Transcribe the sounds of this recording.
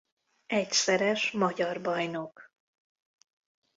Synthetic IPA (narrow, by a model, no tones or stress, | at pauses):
ɛcsɛɾɛʃmɒɟɒrbɒjnok